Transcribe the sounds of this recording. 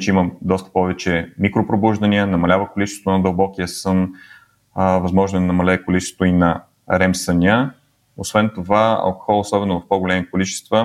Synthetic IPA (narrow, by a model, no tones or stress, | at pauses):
t͡ʃɛiməd̪ɔst̪ə̥pɔvɛt͡ʃɛmikɾopɾobuʒd̪ɐniənɐmɐlʲavəkolit͡ʃɛst̪vot̪ʊnɐd̪əlˠbɔkijəsɤn | vɐzmɔʒnʊɛnɐmɐlʲɛːkolit͡ʃɛst̪oinɐ | ɾɛmsəniə | osvɛnt̪ovaɐ̰lˠko̥xɔlˠosɔbɛnovɐfpoɡolʲɛmikolit͡ʃɛ̥st̪və